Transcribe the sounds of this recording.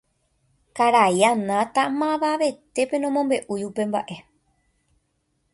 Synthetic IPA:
kaɾajanãt̪amãʋaʋe̞t̪e̞pe̞nõmõ̞mbe̞ʔujupe̞mba̰ʔe̞

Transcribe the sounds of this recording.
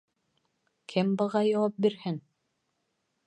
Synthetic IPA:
kʰɘmbɤ̆ʁɑjɑwɑp̚biɾhɘŋ

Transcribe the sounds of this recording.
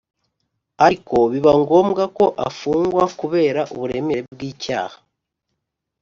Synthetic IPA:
aɾiko̞βiβaŋɡo̞ːmɡako̞ʔa̰fuːŋɡwakuβe̞ːɾaʔuβuɾe̞me̞ɾeb̚ɡiːca̰ːhḁ

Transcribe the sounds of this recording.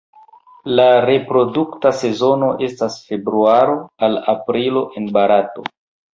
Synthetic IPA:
laɾe̞pɾo̞duktase̞zo̞no̞ʔe̞stasfe̞bɾuaɾo̞alapɾilo̞ʔe̞nbaɾato̞̰

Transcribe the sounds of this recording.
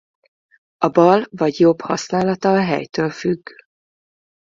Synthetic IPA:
ɒbɒlvɒɟjo̞bhɒ̰snaːlɒt̪ɒːɦɛ̰jt̪øːlfyɡː

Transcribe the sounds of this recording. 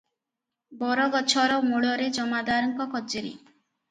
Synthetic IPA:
bɔɾɔɡɔt͡ʃʰɔɾɔmuɭɔɾed͡ʒɔmad̪aɾɔŋkɔkɔd͡ʒeɾḭ

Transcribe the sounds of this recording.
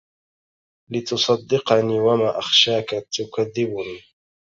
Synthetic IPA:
lɪt̪ʊsˤɑd̪ːɪqɑniːwamaːʔaxʃaːkat̪ʊkaðːɪbʊniː

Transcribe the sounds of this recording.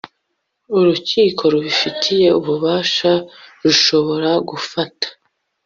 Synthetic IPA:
uɾuciːkʰo̞ɾuβifitʰije̞uβuβaːʃaɾuʃo̞βo̞ɾaɡufatʰḁ

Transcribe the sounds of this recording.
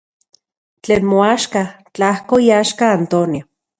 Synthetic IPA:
t͡ɬeːnmoaʃka | t͡ɬahkoiaʃkaːnt̪onio

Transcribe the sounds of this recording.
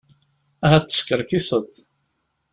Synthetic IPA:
æɦæt͡s̪ːə̥skəɾkisˤət̪

